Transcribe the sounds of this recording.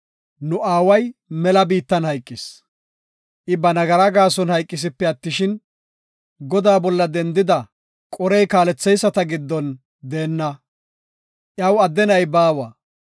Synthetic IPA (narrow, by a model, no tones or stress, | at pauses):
nʊʔaːwɐjmɛlɐbiːt̪ːɐnhɐjkʼːɪs | ʔɪbɐnɐɡɐɾɐɡaːsɔnhɐjkʼːɪs̬ɪpːɛɐt̪ːɪʃɪn | ɡɔd̪aːbɔlːɐd̪ɛnd̪ɪd̪ɐ | kʼɔɾɛjkaːlɛt͡sːɛjsːɐt̪ɐɡɪd̪ːɔn | d̪eːnːɐ | ʔjɐwɐd̪ːɛnɐjbaːwɐ